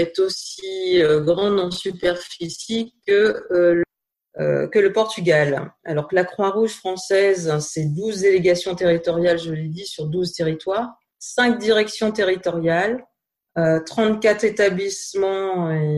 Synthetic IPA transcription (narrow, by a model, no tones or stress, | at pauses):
ɛt̪osiøɡʁɑ̃d̪ɑ̃sypɛʁfisikəø | ø̰kələpɔʁt̪yɡʲala̰lɔʁklakχwaʁuʒfχɑ̃sɛzsɛd̪uzd̪eleɡasjɔ̃t̪eʁit̪ɔʁjalʒəled̪isyʁd̪uzt̪eʁit̪waːʁ | sɛ̃k̚d̪iʁɛksjɔ̃t̪eʁit̪ɔʁjal | øt̪χɑ̃t̪kat̪χet̪ablismɑ̃e